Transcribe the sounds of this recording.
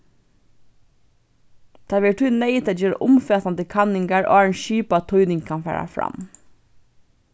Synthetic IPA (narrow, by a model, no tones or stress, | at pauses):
t̪ʰɑːʋɛːʈʰʉːneɪt̪ɛd͡ʒeːɾʔʊmfeːsɑnt̪ɪkʰɑnɪŋɡæɹʔo̰ːɑːnʃyːpɑt̪ʰɔʏnɪŋkʰɑnfæ̰ːɹæ̰fɹɑ̰m